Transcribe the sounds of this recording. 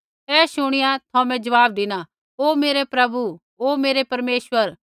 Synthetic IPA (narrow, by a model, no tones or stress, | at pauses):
ɛːʃʊɽ̃ɪjat̪ʰoːmɛ̃d͡ʒɐʋaːb̚d̪ɪna | oːmeːɾepɾɐbu | oːmeːɾepɐɾmeːsʋəɾ